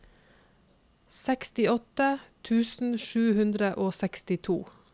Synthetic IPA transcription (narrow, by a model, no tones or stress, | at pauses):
sɛkst̪ɪɔt̪ət̪ʰʉːsn̩ʃʉːhʉnd̪ɾəʔoːsɛkst̪ɪt̪ʰṵː